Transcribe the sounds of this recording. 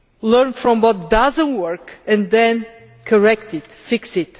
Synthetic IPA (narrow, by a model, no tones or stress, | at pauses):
lɜɹnfɹɔ̃mwɔt̪̚d̪ʌzə̃ntwɜɹkɨ̃nðɛ̃n | kʰəɹɛk̚t̪ɪt̪fiksɪt